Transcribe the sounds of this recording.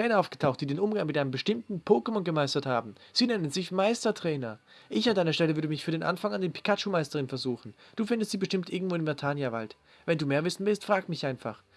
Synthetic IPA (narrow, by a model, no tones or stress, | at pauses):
ɛːnɐʔaʊfɡ̥ə̥tʰaʊxtd̥iːdeːnʔʊmɡaŋmɪtʔaɪnəmbəʃtɪmtn̩pʰoːkəmɔnɡəmaɪstɐthaːbm̩z̥iːnɛnənzɪçmaɪstɐtʁ̥ɛːnɐ | ʔɪçandaɪnɐʃtɛləvʏɐdəmɪçfyːɐɾeːnʔa̰nfaŋandeːɐpʰi̥kʰat͡ʃumaɪstəʁɪnfɛɐzuːxn̩d̥uːfɪndəstz̥iːbəʃtɪmtʔɪɐɡŋ̩tv̥oːɪmvɛɐtʰaːnjava̰lt | vɛnduːmeːɐvɪsn̩vɪlstfʁ̥aːkmɪçʔaɪnfa̰χ